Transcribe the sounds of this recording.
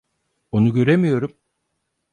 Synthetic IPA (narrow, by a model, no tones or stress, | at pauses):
o̞nuɟø̞ɾemijo̞ɾum